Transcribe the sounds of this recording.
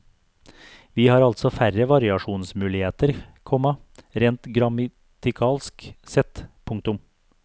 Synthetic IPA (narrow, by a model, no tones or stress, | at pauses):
ʋiːhɑːɾɑlt̪sɔfæɾəʋɑɾɪɑʂuːnsmʉːlɪheːt̪əɾkʰɔmɑɾeːnt̪ɡɾɑmɑ | t̪ɪkʰɑːlsksɛt̪pʰʊŋk̚t̪ʊm